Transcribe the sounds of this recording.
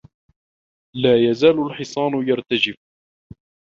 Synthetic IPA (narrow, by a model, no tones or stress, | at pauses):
laːjazaːlʊlħɪsˤɑːnʊjaɾˤt̪ad͡ʒɪf